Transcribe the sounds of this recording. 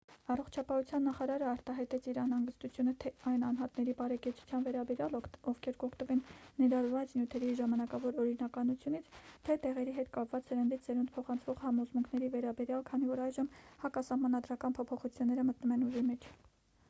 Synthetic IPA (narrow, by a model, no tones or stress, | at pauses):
ɑrɔχt͡ʃʰɑpɑhut͡sʰjɑnːɑχɑɾɑɾəɑɾt̪ɑɦɑjt̪ɛt͡sʰiɾɑjnɑŋɡəst̪ut͡sʰjunət̪ʰɛɑjnɑnɦɑt̪nɛɾibɑɾɛkɛt͡sʰu̥t͡sʰjɑnvɛɾɑbɛɾjɑlɔvkʰɛɾkɔkʰt̪əvɛnːɛɾɑɾvɑt͡snjut̪ʰɛɾiʒɑmɑnɑkɑvɔɾɔɾinɑkɑnut͡sʰjunit͡sʰt̪ʰɛt̪ɛʁɛɾiɦɛt̪kɑpvɑt͡shəɾənd̪izɛɾund̪pʰɔχɑnt͡sʰvɔʁhɑmɔzmuŋkʰnɛɾivɛɾɑbɛɾjɑlkʰɑnivɔɾɑjʒəmhɑkɑsɑhmɑnɑd̪ɾɑkɑnpʰɔpʰɔχut͡sʰjunːɛɾəmət̪numɛnuʒimɛt͡ʃʰ